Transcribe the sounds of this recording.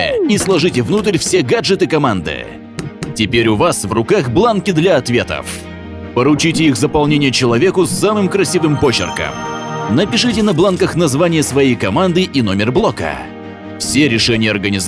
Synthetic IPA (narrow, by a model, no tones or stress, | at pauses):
islˠɐʐɨtʲɪvnut̪əɾʲfsʲeɡaʐɨt̪ɨkɐmand̪ɨ̰ | tʲɪpʲeɾʲʊvasvrʊkaxblˠankʲɪd̪lʲɐɐt̪vʲe̞t̪ə̰f | pəɾʊt͡ɕitʲɪixzəpɐlˠnʲenʲɪjət͡ɕɪlˠɐvʲekʊsːamɨmkɾɐsʲivɨmpot͡ɕːɪ̰rkə̰mnəpʲɪʂɨtʲɪnɐblˠankəxnɐzvanʲɪjəsvɐjijkɐmand̪ɨʔɪno̞mʲɪrblˠokə̰ | fsʲeɾʲɪʂɛnʲɪjəɐrɡənʲɪz